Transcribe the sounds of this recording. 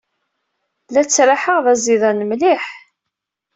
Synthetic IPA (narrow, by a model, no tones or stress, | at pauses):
læt͡sːɾaħəʁðæziðˤɑnəmliħ